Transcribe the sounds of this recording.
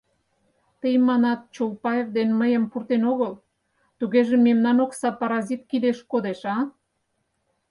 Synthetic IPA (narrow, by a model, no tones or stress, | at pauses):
t̪ejmɑnɑt̪̚t͡ʃolpɑevd̪enməjəmpurt̪enoɣəl | t̪uɣeʒememnɑnoksɑpɑɾɑzit̪̚kid̪eʃkod̪eʃɑ